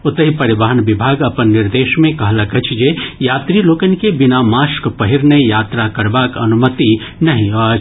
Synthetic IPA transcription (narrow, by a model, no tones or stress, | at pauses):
ʊt̪əɦipɐɾɪbaːɦənʋɪbʱaːɡɐpənːɪɾd̪eːʃmẽkɐɦlɐkət͡ʃʰd͡ʒejaːt̪ɾiloːkənkebɪnamaːʃkpɐɦiɾnejaːt̪ɾakɐɾbaːkɐnumət̪i | nɐɦĩɐ